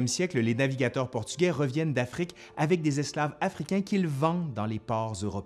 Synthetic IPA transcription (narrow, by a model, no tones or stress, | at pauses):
ɛmsjɛkləlenaviɡʲat̪œʁpɔʁt̪y̥ɡʲɛʁəvjɛnd̪afχik | avɛk̚d̪ezɛsklavafχikʲɛ̃kʲilvɑ̃d̪ɑ̃lepɑːʁzøʁɔp